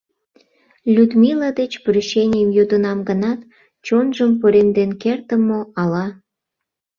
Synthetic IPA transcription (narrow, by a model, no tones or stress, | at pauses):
lʲud̪milad̪et͡ɕprʲyɕenʲejəmjod̪ənɑmɡənɑt̪ | t͡ɕonʒəmpoɾend̪enkert̪əmoɑlɑ